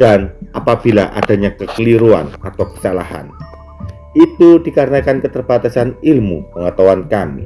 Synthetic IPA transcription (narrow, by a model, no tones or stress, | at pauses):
d̥anʔapab̥ilaʔa̰d̥a̤ɲakəkəliɾua̰nat̪awkə̥sala̰ha̰n | it̪ud̥ikaɾənakankət̪ərb̥at̪asanilmṵpəŋat̪awankamḭ